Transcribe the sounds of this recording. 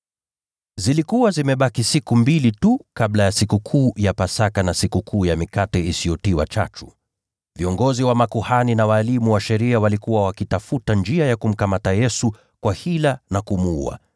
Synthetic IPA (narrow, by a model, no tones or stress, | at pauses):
zilikuwazimɛɓakisikumbilitukablajasikukʰuːjapasakanasikukʰuːjamikatɛisijɔtiwa̰t͡ʃa̰t͡ʃu | viɔŋɡɔziwamakuhaninawaːlimuwaʃɛɾiawalikuwawakitafutand͡ʒiajakum̩kamatajɛsu | kwahilanakumuṵa̰